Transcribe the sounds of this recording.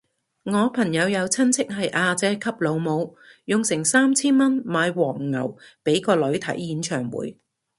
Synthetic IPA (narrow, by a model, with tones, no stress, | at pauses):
ŋɔː˨˧pʰɐ˨˩ŋjɐ˨˧wjɐ˨˧wt͡sʰɐ˥nt͡sʰɪ˥k̚ɦɐ˨jʔaː˧t͡sɛː˨˧˥kʰɐ˥p̚lo˨˧wmo˨˧w | jʊ˨ŋsɪ˨˩ŋsaː˥mt͡sʰiː˥nmɐ˥nmaː˨˧jwɔː˨˩ŋːɐ̰˨˩wpe˨˥jkɔː˧lɵ˨˧˥ɥt̪ʰɐ̰˨˥jːiː˨˥nt͡ʃʰœː˨˩ŋwṵː˨˥j